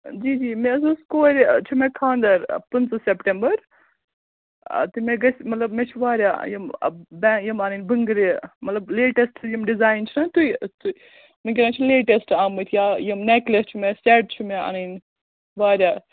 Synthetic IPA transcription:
d͡ʒiːd͡ʒiːmeɐzoːskoːɾt͡ʃʰumekʰaːnd̪ɐɾpɐnt͡sɐsepʈembɐɾ | t̪ɨmeɡɐsʲmɐt̪lɐbmet͡ʃʰuʋaːɾja̰ːjim̰bɛjɐmaːnɐnbəŋɡɾimɐt̪lɐbleːʈesʈʰjimɖizaːint͡ʃʰinɐt̪ut̪u | miɡʲeɾãːt͡ʃʰileːʈesʈaːmɨt̪ʰjajɐmneklɐst͡ʃʰumeseːʈ̚t͡ʃʰumea̰nɐn | ʋaːɾʲjaː

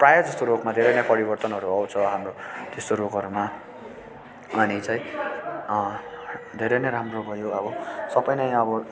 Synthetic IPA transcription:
prajʌd͡zʌst̪oɾokmad̪ʱeɾʌnʌpʌɾibʌrt̪ʌnɦʌɾuʌwt͡sʰʌɦamrot̪est̪oɾokʌɾuma | ʌnit͡sãĩ | d̪ʱeɾʌneɾamrobʱʌjoʌbʌsʌbʌjnʌjʌbʌ

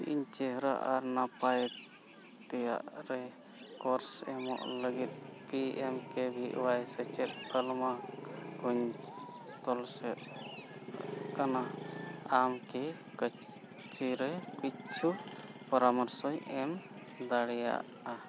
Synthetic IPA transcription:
ḭɲt͡ʃɛɦɾa̰ʔaɾnapajɛ | t̪ːɛja̰ʔɾɛ | kɔɾsɛmɔ̰ʔləɡit̪̚piɛmkɛbʱiʔwajsɛt͡ʃɛt̪̚kəlmaɡuɲ | t̪ɔlsɛt̪ | kana | amkɛ | kə | t͡ʃiɾɛkit͡ʃʰupəɾamɔɾsɔjɛm | d̪aɽɛja̰ʔ | a

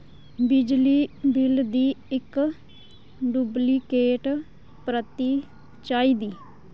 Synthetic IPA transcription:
bɪd͡ʒliːbɪld̪iːɪk | ɖubliːkeːʈ | pɾət̪iː | t͡ʃaːiːd̪iː

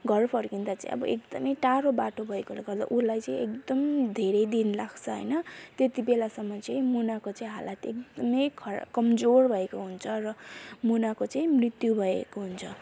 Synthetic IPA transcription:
ɡʱʌrpʰʌrkind̪at͡sa̰ĩʔʌ̰bʌ̰ekd̪ʌmʌjʈaɾobaʈʰobʱʌekoleɡʌrd̪a̰ʔulajt͡saĩek̚d̪ʌmd̪ʱeɾʌjd̪inlaɡt͡sʰʌɦʌ̰jnʌt̪et̪ibelasʌmːʌt͡saĩmunakot͡saĩɦa̰lat̪ek̚d̪ʌmʌjkʰʌkʌmd͡zorbʱʌekoɦunt͡sʰʌrʌmunakot͡saĩmrit̪jubʱʌḛkoɦunt͡sʰʌ

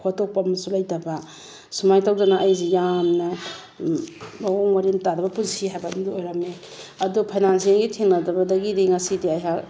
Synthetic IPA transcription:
hotok̚pɐmsulɐjdɐbɐ | sumajtawdɐnaʔɐjzijamnɐ | bawoŋmɐɾintadɐbɐpunsiɦajbandiojɾɐme | ɐdupʰajnans̬ianɡitʰiŋlɐdɐbɐdɐɡidiŋɐsidiajɦa

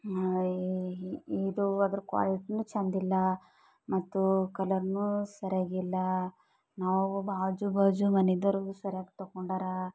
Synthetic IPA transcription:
iːd̪uɐd̪ɐɾukʋa̰ːliʈnut͡ʃɐnd̪ilːɐ | mɐt̪ːukɐlɐɾnusɐɾjaːɡilːɐ | naːʋubʱaːd͡ʒubʱaːd͡ʒumɐned̪ɐɾɡusɐɾjaːɡt̪ɐɡoɳɖaːɾa

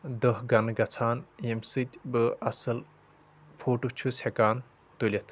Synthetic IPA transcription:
d̪əɦɡɐnɨɡɐt͡sʰaːnjemsɨt̪ʲbɨɐsɐl | pʰoːʈut͡ʃʰushekaːn | t̪ulʲɐt̪ʰ

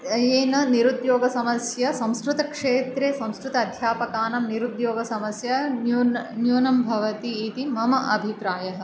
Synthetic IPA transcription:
eːnɐniɾud̪joːɡɐsɐmɐsjɐsɐ̃mskɾut̪ɐkʂeːt̪ɾeːsɐ̃mskɾut̪ɐːd̪ʱjaːpɐkaːnɐmniɾud̪joːɡɐsɐmɐsjɐ | njuːnɐmbʱɐʋɐt̪iːt̪imɐmɐʔɐbʱipɾaːjɐɦɐ̆

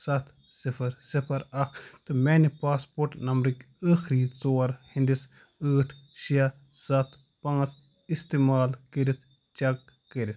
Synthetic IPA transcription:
sɐt̪ʰ | sipʰɐɾsipʰɐɾɐkʰt̪ɨmɛːnipaːspoːɾʈnɐmɾik | əːxʰɾiːt͡soːɾhind̪is | əːʈʰʃijɐ | sɐt̪ʰ | pãːt͡s | ist̪eːmaːlkəɾit̪ʰ | t͡ʃɐkː | əɾit̪ʰ

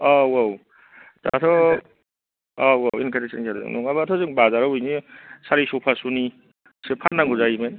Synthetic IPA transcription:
awaw | ta̰tʰɔ | awawinkʰanesankʰaɾ̰zɯ̰ŋnɔ̰ŋabatʰɔzɯŋbazaɾawujnisaɾisɔpʰasuni | sepʰanːaŋɡuzaimen

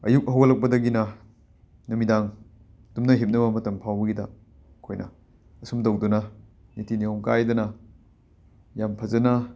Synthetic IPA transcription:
ɐ̰juk̚ɐɦɐwɐlɐk̚pɐdɐɡinɐ | numidaŋ | tumnɐɦip̚nɐbɐmɐtɐmpʰawbɐɡidɐ | kʰojnɐ̰ː | sumdowdunɐ | nitʰiniomkajdɐnɐ | jampʰɐzɐnɐ

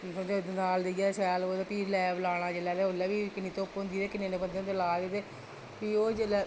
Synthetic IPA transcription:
sõːd͡ʒod̪naːld̪ijaːsɛːloːd̪eːpiːɾlɛːblaːɽ̃ãːd͡ʒeːlɛːt̪eːolɛːʋiːkɪnːĩːt̪õːpɦʊ̃nd̪iːt̪eːkɪneːneːbənd̪eõnd̪elaːd̪eːt̪eː | piːoːd͡ʒeːlɛ

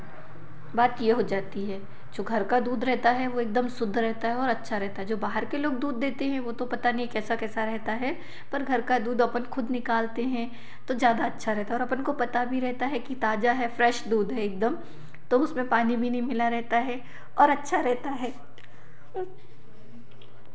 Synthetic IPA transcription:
baːt̪jeɦod͡ʒaːt̪iɦɛː | d͡ʒoːɡʱɐɾkad̪uːd̪ɾɛɦt̪aɦɛʋoeːk̚d̪əmsʊd̪ʱːɾɛɦt̪aɦɛɔːɾɐtːʃʰaɾɛɦt̪aɦɛd͡ʒoːbaːɦəɾkeloːɡd̪uːd̪ːeːt̪eɦɛ̃ʋoːt̪opɐt̪anɐɦĩkɛːsakɛːsaɾɛɦt̪aɦɛ | pɐɾɡʱɐɾkad̪uːd̪ɐpənxʊd̪nɪkaːlt̪eɦɛ̃ | t̪ozjaːd̪aɐtːʃʰaɾɛɦt̪aɛɔːɾɐpnkopɐt̪abʱiɾɛɦt̪aɦɛkit̪aːd͡ʒaɦɛfɾɛːʃd̪uːd̪ɦɛeːk̚d̪əm | t̪oʊsmẽpaːnibʱinɐɦĩmɪlaɾɛɦt̪aɦɛ | ɔːɾɐtːʃʰaɾɛɦt̪aɦɛː

